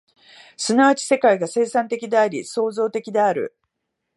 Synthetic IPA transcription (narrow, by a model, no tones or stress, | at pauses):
sɨnaβat͡ɕi̥se̞kaiɡase̞ːsãnt̪e̞kʲid̪e̞aɾʲiso̞ːzo̞ːt̪e̞kʲid̪e̞aɾɯ̟̰